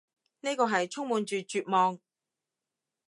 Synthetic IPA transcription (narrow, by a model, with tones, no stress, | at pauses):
ne˥jkɔː˧ɦɐ˨jt͡sʰʊ˥ŋmuː˨˧nt͡ʃyː˨t͡ʃyː˨t̚mɔː˨˧ŋ